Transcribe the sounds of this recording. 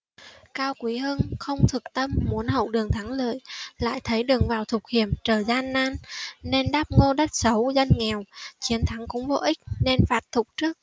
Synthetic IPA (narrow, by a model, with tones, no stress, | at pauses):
kaː˧wkwi˨˦ɦɨ˧ŋxə˧wŋ͡mt̪ʰɨ˨˩k̚t̪ə˧mːu˨˦ənɦə̰˧˨wɗɨ˨˩əŋt̪ʰa˨˦ŋlə̰ː˧˨jla̰ː˧˨jt̪ʰə˨˦jɗɨ˨˩əŋvaː˨˩wt̪ʰʊ˨˩k̚hi˧˩əmt͡ɕəː˧˩zaː˧nːaː˧nːe˧nɗaː˦˥p̚ŋo˧ɗə˦˥t̚sə˨˦wza˧jŋ̟ŋɛ˨˩wt͡ɕi˨˦ənt̪ʰa˨˦ŋkʊ̰˧˥ŋ͡mvo̰˧˨ʔï˦˥k̟̚ne˧nfaː˨˦˥t̚t̪ʰʊ˨˩k͡p̚t͡ɕɨ˦˥ək̚